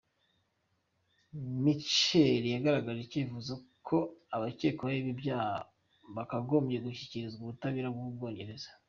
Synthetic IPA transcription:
mit͡ʃeɾijaɡaɾaɡaʒecivuzakʰo̞aβaceːkoβaiβibjaːha | βakaɡo̞ːmɟeɡuçi̥ciɾizɡuβutaβiɾabɡubɡo̞ːɲɟe̞ɾe̞zḁ

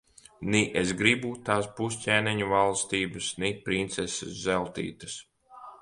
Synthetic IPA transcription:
niʔesɡɾibut̪aːsbuscʲɛːniɲuvalˠst̪iːbɨsnipɾint̪sɛsḛszɛlˠt̪ḭːt̪ɨs

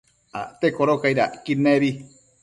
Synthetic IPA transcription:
at̪ekoɾokaiɾaʔkineɾi

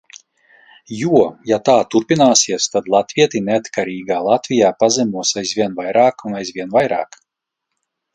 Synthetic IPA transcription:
juɔjat̪aːt̪uɾpinaːsiɛst̪ad̪lˠat̪vʲiɛt̪ineat̪kʰaɾiːɡaːlˠat̪vʲijaːpazɛmuɔsajzvʲiɛnvajɾaːkunajzvʲiɛnvajɾa̰ːk

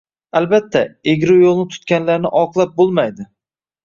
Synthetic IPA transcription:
albat̪ʰːaeɡʲɾʊjolˠnɪt̪ʰʊ̥t̪kʲanlaɾnɪʔɒqlˠap̚bolˠmajd̪ɪ

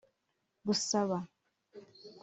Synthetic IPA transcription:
ɡusaβa | k

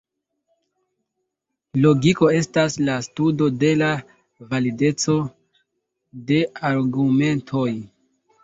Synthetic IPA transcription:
lo̞ɡiko̞e̞staslastudo̞de̞la | valide̞t͡so̞ | de̞aɾɡume̞ntʰo̞j

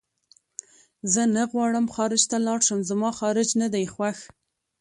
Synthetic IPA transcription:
zənaɣwɑɽəmxɑɾɪd͡ʒt̪alɑɾʃəmzamɑxɑɾɪd͡ʒnad̪ajxwax

